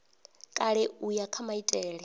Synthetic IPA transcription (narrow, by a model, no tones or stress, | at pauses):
kʼaɺɛujakʰamaitʼɛːɺɛ